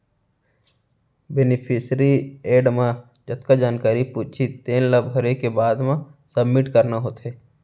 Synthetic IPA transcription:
benɪpʰɪsɾieːɖmã | d͡ʒɐt̪kad͡ʒaːnkaːɾipuːt͡ʃʰit̪eːnlɐbʱɦəɾekebaːd̪mãsəbmɪʈkəɾnaɦoːt̪ɦeː

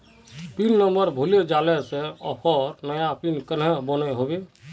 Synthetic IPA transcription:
pinnəməɾbʱuled͡ʒalɛsẽɔpʰɔɾnəjapinkənɦebənɛɦobe

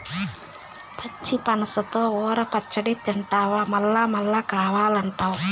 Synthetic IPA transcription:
pʰɐt͡ʃːipɐnɐsɐt̪oːɔːɾɐpɐt͡ʃːɐɽit̪iɳʈaːʋaːmɐlːaːmɐlːaːkaːʋaːlɐɳʈaːwu

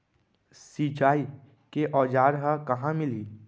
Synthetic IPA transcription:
sit͡ʃaːi | keʔɔːd͡ʒaːɾɦakɐɦãmɪliː

